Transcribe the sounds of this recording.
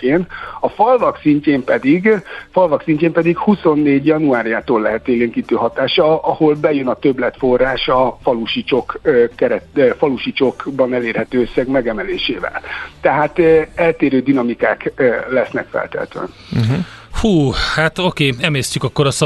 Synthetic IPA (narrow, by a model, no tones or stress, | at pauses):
keːnɒfɒlvɒksiɲceːmpɛd̪iɡfɒlvɒksiɲceːmpɛd̪ikhuso̞nːeːɟjɒnuaːɾjaːt̪oːlːɛɦɛt̪eːleːŋkiːt̪øːɦɒt̪aːʃɒɒho̞lbɛjønɒt̪øblɛt̪fo̞rːaːʃɒfɒluʃit͡ʃo̞kːɛɾɛt̪fɒluʃit͡ʃo̞kbɒnɛleːrhɛt̪øːøsːɛɡmɛɡɛmɛleːʃḛːvɛ̰lt̪ɛɦaːt̪ɛlt̪eːɾøːd̪inɒmikaːkːlɛsnɛ̰kfɛ̰lt̪ɛ̰t̪ø̰ɛ̰n̩ | ɦhuːhat̪o̞keːɛmeːstcykɒkːoɾɒs